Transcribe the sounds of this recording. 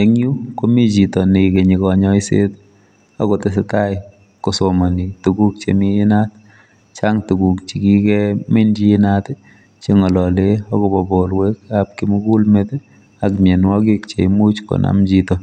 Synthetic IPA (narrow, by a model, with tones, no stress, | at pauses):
e˦ŋju˦ko˦mi˦t͡ʃi˨tɔ˨ni˨ke˨ɲi˨kɔ˨ɲɔ˦i˦sḛ˦t | a˦ko˨te˦s̬ɪ˦ta˦j | kʊ˨so˨ma˨ni˨tu˨ɡu˦k̚t͡ʃḛ˨miː˦nat | t͡ʃa˦ŋtu˨ku˨k̚t͡ʃi˨ki˦kɛmɪ˦nd͡ʒi˦ɪ˦nat | t͡ʃe˦ŋɔ˨lɔ˨le˦ɔ˦ko˨bɔ˨bo˨lwe˦kap̚ki˦mu˦ku˦lmet | a˨kmje˨nwɔ˦ki˦kt͡ʃḛ˨imu˦t͡ʃko̰˨nʔa̰md͡ʒitɔ˨